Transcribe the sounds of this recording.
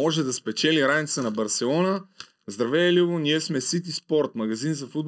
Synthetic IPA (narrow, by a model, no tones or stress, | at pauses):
ɔʒɛd̪ɐspɛt͡ʃɛliɾanit̪sənɐbɐɾsɛlˠɔnə | zd̪ɾɐvɛlivoniɛsmɛsit̪̬ispɔɾt̪mɐɡɐzinzɐfud̪̚